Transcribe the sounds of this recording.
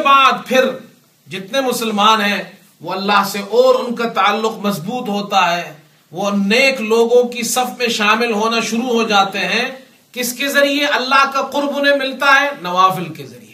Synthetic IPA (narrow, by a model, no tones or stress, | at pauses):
baːd̪pʰɪɾ | d͡ʒɪt̪nemʊsəlmaːnɦɛ̃ | ʋoɐlːaɦseʔɔːɾʊnkat̪aːlːʊqmɐsbuːt̪ɦoːt̪aɦɛː | ʋoneːkloːɡõkisɐfmẽʃaːmɪlɦoːnaʃʊɾuɦod͡ʒaːt̪eɦɛ̃ | kɪskezɐɾieʔɐlːaɦkaqʊɾbʊnẽmɪlt̪aɦɛnɐʋaːfɪlkezɐ̰ɾḭe